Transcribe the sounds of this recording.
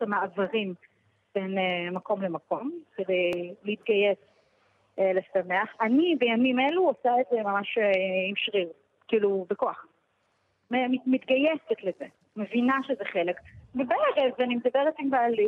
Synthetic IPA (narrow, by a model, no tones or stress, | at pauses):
tamaavaʁim | b̥enmako̞mlemako̞mke̞d̪e̞jleit̪̚ɡajes | lesameaχanibejamimeluosaetzemamaʃimʃʁiʁ | kiːlubekoaχ | memimit̪ɡajesetleze | mevinaʃezeχe̞le̞kbebeeʁevanimed̪abeʁet̪imbaːli